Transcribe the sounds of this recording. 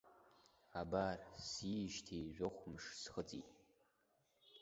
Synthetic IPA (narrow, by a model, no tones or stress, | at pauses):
abarsiʃtʰijʒʷᶣoχʷmʂsχət͡sʼḭtʼ